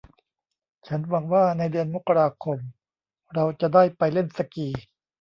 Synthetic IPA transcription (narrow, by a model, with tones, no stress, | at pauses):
t͡ɕʰa˦˥nwa˧ŋwaː˥˩na˧jdɯ˧ənmo˦˥kːa˧ɾaː˧kʰo˧m | ɾa˧wt͡ɕa˨˩ʔdaː˥˩jpa˧jle˥˩nsa˧kiː˨˧